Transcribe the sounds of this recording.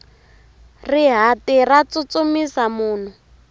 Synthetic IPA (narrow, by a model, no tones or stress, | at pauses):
riɦatirat͡sut͡somisamuːn̤u